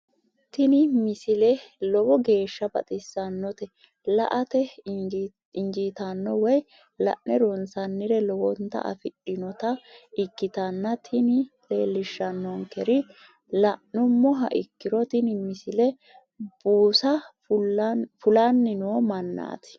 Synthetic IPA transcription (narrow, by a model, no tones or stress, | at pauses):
t̪ɪnɪmɪsɪlɛlɔwɔɡe̞ːʃːɐbɐ̰t̪ʼɪsːɐnːɔt̪ɛ | lɐ̰ʔɐt̪ɛ | ɪnd͡ʒiːt̪ɐnːɔwɔj | lɐ̰ʔnɛɾɔnsɐnːɪɾɛlɔwɔnt̪ːɐ̰ʔɐ̰fɪᶑɪnɔt̪ɐʔɪkːɪt̪ɐnːɐt̪ʰɪnɪ | leːlːɪʃːɐnːɔŋkɛɾɪ | lɐʔnʊmːɔɦɐ̰ʔɪkːɪɾɔt̪ɪnɪmɪsɪlɛ | b̥uːsɐ | fʊlanːɪnoːmɐnːa̰ːt̪ɪ̥